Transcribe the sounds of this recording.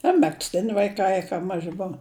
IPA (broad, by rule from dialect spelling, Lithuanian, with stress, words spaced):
ɐ mʲɛksʲˈtʲɪnʲɪ ʋɐɪˈkɐɪ kɐ ˈmɑːʒʲɪ ˈboːʋɐ